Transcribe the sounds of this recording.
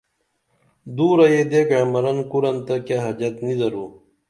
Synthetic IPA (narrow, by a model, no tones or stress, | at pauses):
d̪uːɾɐjed̪ekamɐɾɐnkuɾɐnt̪ɐkjaɦɐd͡ʑɐt̪nizɐɾuː